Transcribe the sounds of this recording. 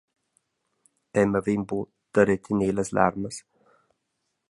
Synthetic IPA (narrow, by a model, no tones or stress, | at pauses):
ɛməvimbu | d̪̥əɾɛt̪ʰineːləsla̰ɾməs